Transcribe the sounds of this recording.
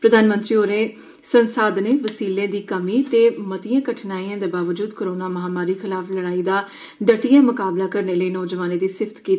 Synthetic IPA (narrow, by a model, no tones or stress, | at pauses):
pɾəd̪ʱaːnmə̃nt̪ɾiːoːɾeː | sənsaːd̪neːʋəsiːlẽːd̪iːkəmiːt̪eːmət̪ijãːkəʈʰnaːiːãːd̪eːbaːʋəd͡ʒuːd̪koɾoːnaːməɦaːmaːɾiːkʰɪlaːfləɽaːiːd̪aː | ɖəʈijãːmʊkaːblaːkəɾneːləiːnɔːd͡ʒʋaːnẽːd̪iːsɪfʰt̪kiːt̪ː